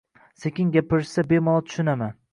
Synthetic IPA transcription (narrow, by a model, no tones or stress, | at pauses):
sekʲɪŋɡʲapɪɾsabemɒlˠt̪ʰʊ̥ʃʊnaman